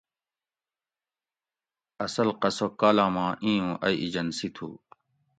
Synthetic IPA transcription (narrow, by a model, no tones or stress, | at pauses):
ɐsɐlqɐsokaːlaːmãːʔĩːũːʔɐiʔid͡ʑɐnsit̪ʰṵː